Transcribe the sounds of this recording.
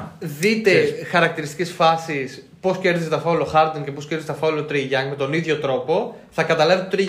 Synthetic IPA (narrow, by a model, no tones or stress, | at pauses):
ðit̪e̞xɐɾɐkt̪iɾist̪i̥cesfɐsis | po̞sce̞ɾðiset̪ɐfɐloxɐɾd̪oŋce̞poscʲeɾðizet̪ɐfɐlot̪ɾiʝɐŋɡme̞t̪o̞niðʝo̞t̪ɾo̞po̞θɐkɐt̪ɐlɐvet̪ot̪ɾi